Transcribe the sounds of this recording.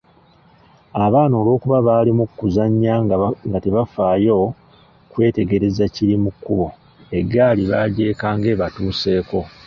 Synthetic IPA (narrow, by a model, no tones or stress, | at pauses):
aβaːno̞ːlo̞ːkuβaβaːlimukːuzaɲːaŋɡateβafaːjo̞ | kwe̞ːte̞ɡe̞ɾe̞zaciɾimukːuβo̞ | e̞ɡːaːliβaɾɟe̞ːkaːŋɡe̞ːβatuːse̞ːko̞